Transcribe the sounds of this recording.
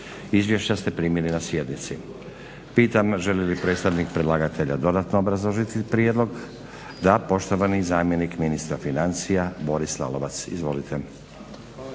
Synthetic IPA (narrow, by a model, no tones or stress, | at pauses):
izʋje̞ʃt͡ɕast̪e̞pɾiːmilinasje̞d̪nit̪si | piːt̪amʒe̞lelipɾe̞ːt̪st̪aʋnikpɾedlaɡat̪e̞ʎa̰d̪o̞d̪at̪noobɾazloʒit̪ipɾied̪lo̞ɡ | d̪apo̞ʃt̪o̞ʋanizaːmje̞nikminist̪ɾafinant̪sijabo̞ɾisla̰loʋat̪sḭzʋo̞lit̪ʰe